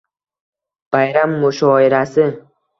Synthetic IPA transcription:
b̥ajɾamːʊʃɒɪɾasɪ

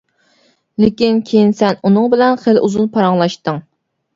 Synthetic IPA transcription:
lɪkʲinkʲʰejinsɛnunɨŋbɪlɛnχəlʔuzunpʰɑɾɑŋlˠɑʃt̪ɨŋ

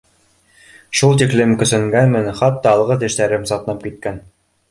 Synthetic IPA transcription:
ʃulˠt̪iklɘmkɵ̆sɘ̆ŋɡænmɘnχɑt̪ːɑːlˠʁɤt̪̬ɘ̆ʃt̪æɾɘmsɑt̪ɤ̆nɑp̚kit̪̚kæn

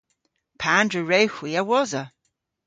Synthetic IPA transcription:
pʰaːndɹəɹejxwiːəwɔzə

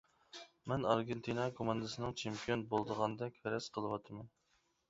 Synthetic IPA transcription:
mɛnɑɾɡʲent̪ʰinɑkʰomɑnd̪ɨsɨnɨŋt͡ʃʰempʰijonbolˠd̪əʁɑnd̪ɛkʲvɛɾɛsqʰəlˠəwɑt̪ʰmɛn

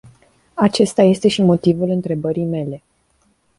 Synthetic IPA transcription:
at͡ʃe̞st̪aje̞st̪e̞ʃimo̞t̪ivulɨnt̪ɾe̞bəɾijme̞le̞

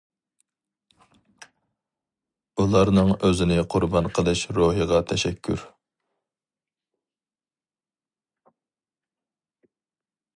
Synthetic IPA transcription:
ulˠɑɾnɨŋøzɪnɪqʰʊɾbɑnqʰəlˠɨʃɾoɦəʁɑt̪ʰɛʃɛkʲʰːyɾ

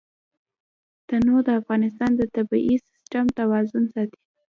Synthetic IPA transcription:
t̪anod̪əafɣɑnɪst̪ɑnd̪ət̪abiʔisɪ̥sʈamt̪awɑzʊnsɑt̪i̥

